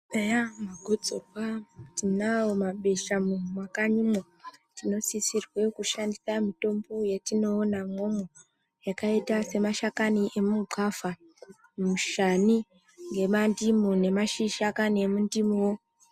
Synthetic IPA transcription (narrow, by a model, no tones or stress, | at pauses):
ajamaɡʱod͡zokwatinawomaɓe̞ʃamunumwakaɲumo | tino̞sisirwe̞kuʃandisamito̞mbo̞jetino̞ːnamo̞mo | jakaitase̞maʃakaniʔemuukafa | mumuʃani | ŋɡe̞mandimune̞maʃiʃakaniemundimuwo